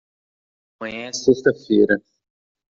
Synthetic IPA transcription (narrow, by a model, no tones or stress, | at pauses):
mɐ̃ɲɐ̃sest̪ɐfejɾɐ